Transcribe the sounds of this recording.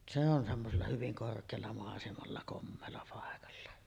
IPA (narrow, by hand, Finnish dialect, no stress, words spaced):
se on semːoselːɑ hyʋiŋ korkˑeːlːɑ mɑˑesemɑlːɑ komːeːlːɑ pɑˑekɑlːɑ